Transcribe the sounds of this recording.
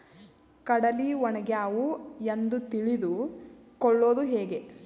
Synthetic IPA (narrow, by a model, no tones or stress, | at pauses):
kɐɽɐliʋɔnɐɡjaːʋuend̪ut̪iɭid̪u | kɔɭːo̞ːd̪uɦeːɡe̞